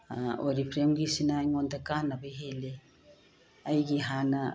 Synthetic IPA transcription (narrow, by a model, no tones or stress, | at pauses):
oɾipʰɾemɡisinajŋondakanabajɦele | ajɡiɦana